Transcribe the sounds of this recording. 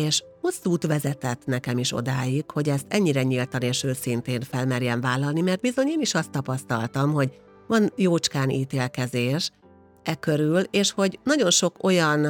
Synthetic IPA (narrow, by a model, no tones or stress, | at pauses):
eːʃ | ho̞sːuːt̪ʋɛzɛt̪ɛt̪ːnɛkɛmiʃo̞̰d̪aːjikho̞ɟɛst̪ɛɲːiɾɛɲilt̪ɒneːʃøːsint̪eːnfɛlmɛrjɛɱvaːlːɒlnimɛrt̪bizo̞ɲeːniʃɒst̪ːɒpɒst̪ɒ̰lt̪ɒmɦo̞ɟ | vɒnjoːt͡ʃkaːniːt̪eːlkɛzeːʃ | ʔɛkøɾyleːʃho̞ɟnɒɟo̞nʃo̞ko̞jɒn